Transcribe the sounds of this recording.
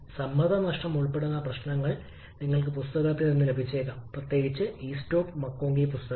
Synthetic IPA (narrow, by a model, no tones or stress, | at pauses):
sɐmːɐd̪ɐnɐʂʈɐmuɭpe̞ɽunːɐprɐɕnɐŋːɐɭ | niŋːɐɭk̬ɨpust̪ɐɣɐt̪ːinninːɨlebʱit͡ɕːeːkːɐmprɐt̪je̞ːɡit͡ɕːɨiːsto̞ːpmɐkːoːŋɡipust̪ɐɣ